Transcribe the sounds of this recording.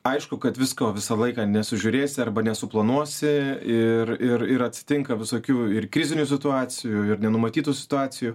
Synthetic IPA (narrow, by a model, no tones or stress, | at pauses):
ɐɪʃkʊkɐt̪ʋʲɪskoːʋʲɪsɐlˠɐɪkɑːnʲɛsʊʒʲʊːɾʲeːsʲɪɐrbɐnʲɛsʊplˠɐnuɔsʲɪɪrɪɾɪɾɐt̪ʲsʲɪ̥t̪ʲɪŋkɐʋʲɪsoːkʲuːɪrkɾʲɪzʲɪnʲʊsʲɪt̪ʊɑːt͡s̪ʲɪjuɪrnʲɛnʊmɐt̪ʲiːt̪uːsʲɪ̥t̪ʊɑːt͡ssʲɪjuː